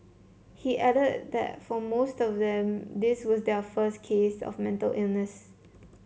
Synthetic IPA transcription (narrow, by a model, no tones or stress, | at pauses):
hiʔɛɾəd̚d̪ɛ̰t̚fɔmostɔfdɛ̃md̪ɪswɔsdɛfəskʰesɔ̰fmɛ̃ntə̰lʔilnəs